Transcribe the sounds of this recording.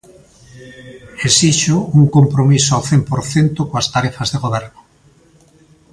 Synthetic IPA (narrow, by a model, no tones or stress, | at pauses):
esiʃʊuŋkompɾomisoawθempoɾθent̪ʊkoast̪aɾɛfazðeɣoβɛɾnʊ